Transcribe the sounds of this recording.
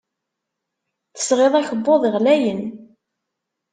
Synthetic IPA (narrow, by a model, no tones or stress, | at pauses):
θə̥sʁeðˤæçəbːoðˤəʁlæjən